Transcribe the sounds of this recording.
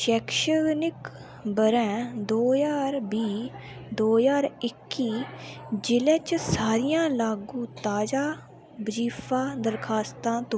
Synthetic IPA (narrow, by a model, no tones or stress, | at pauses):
ʃɛːkʃənɪk | bəɾɛ̃ːd̪oːjaːɾbiː | d̪oːjaːɾɪkːiːd͡ʒɪlɛːt͡ʃsaːɾɪjãːlaːɡũːt̪aːd͡ʒaː | bəd͡ʒiːpʰaːd̪əɾkʰaːst̪ãːt̪õ